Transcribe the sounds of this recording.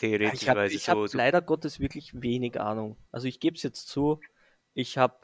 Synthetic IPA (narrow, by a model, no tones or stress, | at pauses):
tʰeɾiɪhaːaɪɪçhalaɪɾɐɡɔtɛsv̥ɪɐklɪçveːnɪɡʔa̰ːnʊŋʔalzoɪçɡ̥eːbsjɛt͡stt͡suː | ʔɪçhaːb̚